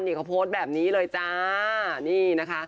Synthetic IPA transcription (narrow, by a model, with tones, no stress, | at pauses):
nʔi˨˩kʰa˧pʰoː˦˥t̪̚bɛː˨˩p̚niː˦˥lɤː˧jt͡ɕaː˧˩niː˧˩na˦˥kʰa˦˥ʔ